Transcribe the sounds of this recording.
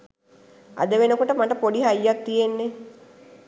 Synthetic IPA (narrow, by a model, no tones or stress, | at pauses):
a̰d̪əʋenəkuʈəmaʈəpoɖiɦajːak̚t̪ijenːe